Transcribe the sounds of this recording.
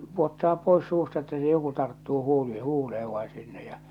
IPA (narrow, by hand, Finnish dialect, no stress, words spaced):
puotːɑː pois suːstɑ etːæ se joku tɑrtːuː huːli huːleeʋ ʋɑi sinːej j̊ɑ̥